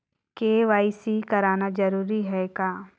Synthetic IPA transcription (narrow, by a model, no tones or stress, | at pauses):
keːʋaːisikɐɾaːnad͡ʒɐɾuːɾiɦɛkaː